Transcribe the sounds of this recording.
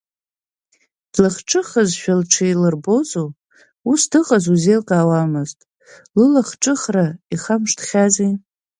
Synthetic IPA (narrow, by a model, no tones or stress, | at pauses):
d̥laχʈ͡ʂʰʼɨχazʃᶣalʈ͡ʂʰijlɨrbo̞zʼo | usdɨχʼazuzejlqʼaːwamɨztʼ | lɨlaχʈ͡ʂʼɨχraiχamʂtʰχʲazin